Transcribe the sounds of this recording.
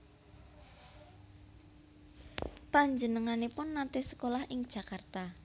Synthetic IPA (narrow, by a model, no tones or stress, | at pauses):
paɲd͡ʒənəŋanepʊnːat̪esə̥kolahʔɪŋd̥ʒ̥a̤kart̪a